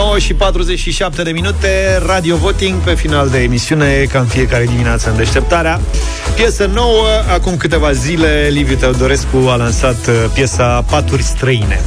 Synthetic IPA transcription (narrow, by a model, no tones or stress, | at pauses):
owəʃipat̪ɾuzet͡ʃʃiʃap̚t̪e̞d̪e̞minut̪e̞rad̪io̞vo̞t̪iŋɡ̚pe̞finald̪e̞ːmisiune̞kaɨnfie̞kaɾe̞d̪imineat̪səɨnd̪e̞ʃt̪e̞p̚t̪aɾea | pje̞səno̞wəakumkɨt̪e̞vazile̞livut̪eld̪o̞ɾe̞skualansat̪pjesapat̪urʲst̪ɾəine̞̰